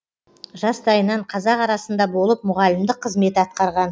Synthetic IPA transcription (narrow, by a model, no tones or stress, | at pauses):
ʒɑsd̪ɑjənɑɴqʰɑzɑqɑɾɑsənd̪ɑbo̞lˠəp̚mʊʁɑlɪmd̪ɪqʰːəzme̞t̪ɪɑt̪̚qɑɾʁɑn